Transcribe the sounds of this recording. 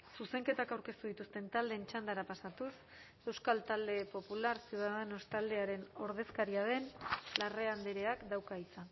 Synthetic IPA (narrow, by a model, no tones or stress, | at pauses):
suse̞ŋke̞t̪akawɾke̞st̪uð̞it̪ust̪e̞nt̪ald̪e̞ːnt͡ʃand̪aɾapasat̪us | e̞wskalt̪ald̪e̞po̞pulaɾsuðaðenost̪ald̪e̞aɾe̞no̞ɾðe̞skaɾiaðe̞nlare̞and̪eɾe̞akd̪awkait͡sa